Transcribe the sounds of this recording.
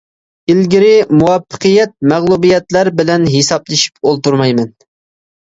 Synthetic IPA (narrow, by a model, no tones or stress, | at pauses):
ilɡʲɪɾɪmuwɑpːə̥qʰɨjɛt̪̚mæʁlˠubijɛt̪læɾbɪlɛnɦesɑplˠɨʃi̥polˠt̪uɾmɑjmɛn